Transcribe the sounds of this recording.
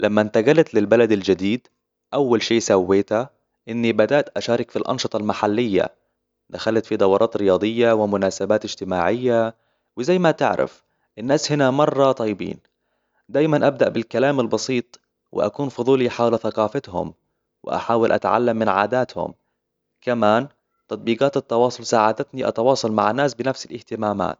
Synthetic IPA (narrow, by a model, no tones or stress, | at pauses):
lʔamːant̪aɡalat̪lɪlbalad̪ald͡ʒad̪iːd̪ | ʔawːalʃiːsawːeːt̪a | ʔɪnːibad̪aʔt̪ʔaʃaːɾˤɪkfilʔɑ̰nʃɨt̪ˤɑlmaħalːɪjːa̰ | d̪̥axalat̪fid̪ɑwːɾˤɑːt̪ɾɪjɑːd̪ˤɨjːawɪmʊnaːsabaːt̪ɪd͡ʒt̪ɪmaːʕɪjːa | wɪzajːmat̪ɪ̰ʕɾʔɪ̰f | ʔɪnːaːshɪnamɑrˤːɑt̪ˤɑjːbḭːn | d̪aːjmanʔab̚d̪aʔbɪlkalaːmɪlbɑsiːt̪ˤ | wɪ̰ʔa̰kuːnfʊðˤuːliħaːwlaθaqɑːfɪt̪hʊ̰m | wɪ̰ʔa̰ħaːwɪlʔa̰t̪ʕa̰lːamːɪnʕa̰ːd̪aːt̪hʊ̰m | kamaːn | t̪ɑt̪̚ˤbiːɡɑːt̪ɪt̪ːɑwɑːsˤʊlsaːʕad̪at̪niʔɑ̰t̪ɑwɑːsˤɑlma̰ʕanːaːsbɪnafsɪlʔɪht̪ɪmaːma̰ːt̪